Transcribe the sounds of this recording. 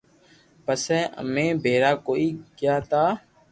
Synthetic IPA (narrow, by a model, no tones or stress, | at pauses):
pəsɛːʔə̰mẽːbʱeːɾaːkoːiːkɪjaːt̪aː